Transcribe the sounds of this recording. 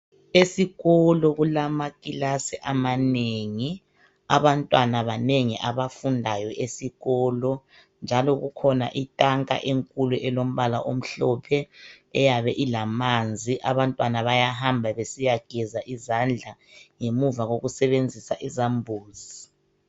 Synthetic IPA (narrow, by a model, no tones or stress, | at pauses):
esiɣɔlɔɣulamakʼilasiʔamaneŋi | aβantʼwanaβaneŋiʔaβafundʱajɔʔesiɣɔːlɔ | nd͡ʒʱalɔɣukʰɔna̰ʔitʼaŋkʼa̰ʔeŋkʼuluʔɛlom̩βala̰ʔom̩ɬɔpʰɛ | ɛjaβɛʔilamand͡zʱiʔaβantʼwanaβajaɦambʱaβesijaɡ̥ʱɛzaʔizand͡ɮʱa | ŋemuvaɣoɣusɛβend͡zʱisaʔizambʱuːzi